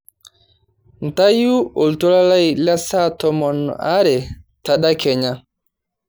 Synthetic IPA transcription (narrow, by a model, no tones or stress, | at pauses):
ntajuɔltɔlalajlasatɔmɔnaɾɛtaɗakɛɲa